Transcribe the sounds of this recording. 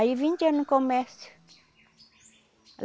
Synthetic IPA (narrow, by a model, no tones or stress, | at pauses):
ivint͡ʃenukomɛɾsju̥ | l